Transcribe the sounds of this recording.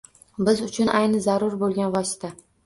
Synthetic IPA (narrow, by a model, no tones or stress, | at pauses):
bɪzʊt͡ʃʰʊnʔajnɪzaɾʊɾbolˠɡʲanvɒsɪ̥t̪ʰa